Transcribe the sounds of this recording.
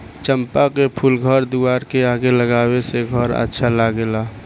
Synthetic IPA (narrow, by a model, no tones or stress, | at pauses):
t͡ʃəmpakepʰulɡʱəɾd̪uaːɾkeaːɡeləɡaːweseɡʱəɾə̰tːʃʰalaɡelaː